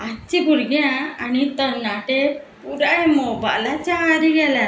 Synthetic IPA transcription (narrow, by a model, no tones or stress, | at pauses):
at͡ʃibuɾɡɛaanit̪ənaʈɛ | puɾaɽɛmɔba̰ʔlat͡ʃaɾiɡɛla